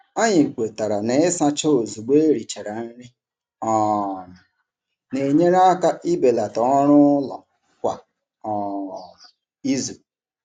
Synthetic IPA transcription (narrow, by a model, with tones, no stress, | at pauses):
a˦ɲɪ˨ke˨ta˨ɾa˨ne˨ɪ˦sa˦t͡ʃo˦o˨zu˨ɡ͡be˦ɾi˨t͡ʃe˨ɾa˨n̩˦ɾɪ˦ | ɔ˨nʊ˨ | ne˨ɲe˦ɾa˦ka˦ʔi˦be˨la˨tɔ˨˦ɔ˦ɾʊ˦lɔ̰˨ | kʷa̰˨ | ɔ˨ | i˦zu˨